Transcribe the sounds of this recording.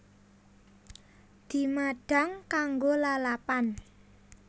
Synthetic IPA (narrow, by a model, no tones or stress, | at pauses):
d̪̥i̤maɖ̥a̤ŋkaŋɡolalapan